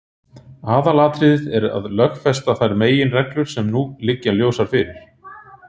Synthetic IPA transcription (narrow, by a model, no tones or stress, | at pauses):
aːðalaːt̪ɾɪðɪðɛɾa̰ðlœxfɛst̪aθajɾmeːjɪnrɛklʏɾ̥sɛmnuːlɪcːaljoːwsaɾ̥fɪɾɪɾ̥